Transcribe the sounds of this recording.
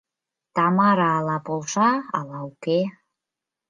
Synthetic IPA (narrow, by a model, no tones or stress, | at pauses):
t̪ɑmɑɾɑːlɑpolʃɑ̰ːlɑuke